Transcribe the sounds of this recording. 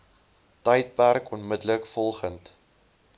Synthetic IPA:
təjt̚pærkɔnmədləkfɔlˠχənt

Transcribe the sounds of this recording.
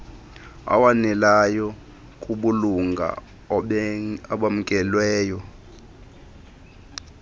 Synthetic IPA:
a̰wanɛlajɔ | kʼuɓuluŋɡʱa̰ | aɓamukʼɛlwɛːjɔ

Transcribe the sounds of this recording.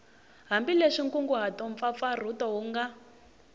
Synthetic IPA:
ɦambileʂiŋkuŋɡuɦatɔɱp̪fap̪far̤utɔɦuŋɡa

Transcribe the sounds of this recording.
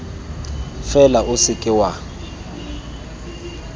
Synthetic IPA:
fɛlaʔʊsɪkʼɪwa

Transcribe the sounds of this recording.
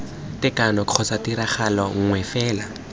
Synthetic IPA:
tɛkanɔkʰɔsatiɾaχalɔŋ̩ŋwɛfɛːla

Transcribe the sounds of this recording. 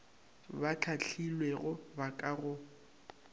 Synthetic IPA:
bat͡ɬʰat͡ɬʰilweɣʊbakʼaɣʊ

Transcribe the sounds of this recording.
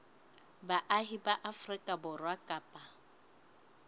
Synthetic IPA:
baʔaɦibaʔafrɪkʼabʊrwakʼaːpʼa

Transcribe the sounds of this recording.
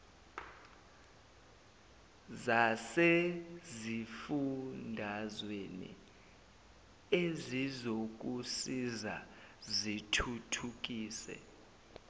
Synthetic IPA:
zasezifundʱazwenḭ | ezizok̬usiza̰zitʰutʰuk̬ʼiːsɛ̰

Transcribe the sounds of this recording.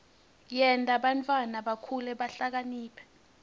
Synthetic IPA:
jɛntʼaɓantʼwanaɓakʰulɛɓaɬak̬aniːpʰɛ̥

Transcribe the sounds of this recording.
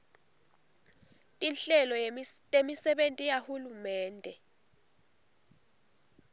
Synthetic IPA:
tʼinɬɛlɔtʼemisɛɓentʼijahulumɛːndʱɛ

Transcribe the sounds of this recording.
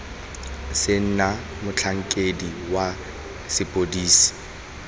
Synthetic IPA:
sɪn̩na | mʊt͡ɬʰaŋ̩kʼediwa | sɪpʼodiːsi̥

